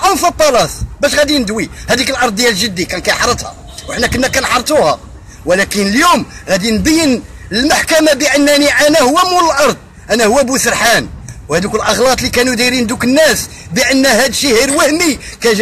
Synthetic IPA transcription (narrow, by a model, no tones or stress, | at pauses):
ʔɑnfɑt̪ˤːɑlɑsbæʃɣæd̪inəd̪wihæd̪ikəlʔɑɾˤd̪̚ˤːjælʒəd̪ːikænkæjħɑɾˤət̪ˤhɑ̰ | wəħnækənːækænħɑɾˤt̪ˤuhɑ | wlækənəljumɣæd̪inbəjːənəlmaħkæmabəʔənːæniʔænæhʊwːæmuləlʔɑɾˤd̪̚ˤ | ʔænæhʊwːæbusəɾħanwhæd̪ukəlʔɑɣlɑt̪ˤlikænud̪iɾind̪ukənːæs | bəʔənːhæd̪ʃihiɾwæhmi | kæ